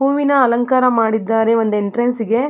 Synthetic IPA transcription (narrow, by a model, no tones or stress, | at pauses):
ɦuːʋinɐɐlɐŋkaːɾɐmaːɽid̪ːaːɾeʋond̪ueɳʈɐɾensiɡe̞